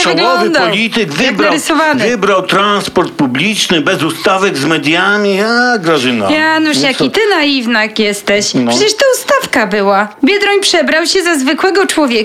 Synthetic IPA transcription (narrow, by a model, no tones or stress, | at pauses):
vɨɡlɔvɨd̪aɔlʲit̪ɘɡvɡ̪aɾɪsɔvanvɘbɾawt̪ɾanspɔɾt̪̚publʲit͡ʂnɘbɛzust̪avɛɡzmɛd̪ʲjamʲiaɡɾaʐɨna̰januʂjait̪ɘnaivnakjɛst̪ɛɕʂɛt͡ɕɛʂt̪aust̪afkabɘwabʲjɛd̪ɾɔɲpʂɛbɾawɕɛzazvɘkwɛɡɔt͡ʂwɔvʲjɛk